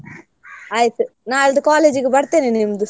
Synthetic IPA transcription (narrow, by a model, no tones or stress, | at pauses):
aːjt̪unaːlɐd̪ukaːleːd͡ʒiɡibɐɽt̪eninimd̪u